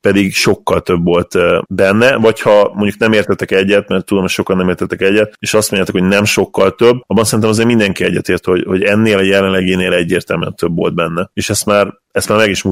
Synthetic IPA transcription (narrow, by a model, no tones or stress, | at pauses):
pɛd̪iɡʃo̞kːɒlt̪ø̞bːo̞lt̪bɛnːɛvɒchɒmoɲɟuknɛmeːrt̪ɛt̪ɛkɛɟːɛt̪mɛrt̪ːud̪omocʃo̞kɒnːɛmeːrt̪ʰɛt̪ːɛkɛɟːɛt̪̚eːʃɒst̪moɲjaːt̪ukhoɟnɛmʃo̞kːɒlt̪øbːɒbːɒnsɛɾint̪ɛmɒzeːɾmind̪ɛŋkiɛɟːɛt̪eːrt̪ho̞ɟhoɟɛnːeːlɒjɛlɛnlɛɡeːneːlɛɟːeːrt̪ɛlmyɛnt̪øbːo̞̰ld̪̚bɛnːɛeːʃɛst̪maːr | ɛst̪maːɾmɛɡiʃmu